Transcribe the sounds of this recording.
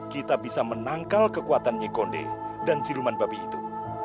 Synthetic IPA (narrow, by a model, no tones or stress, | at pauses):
kit̪abisamənaŋkalkəkuat̪anɲakondḛdansilumanbapiːt̪u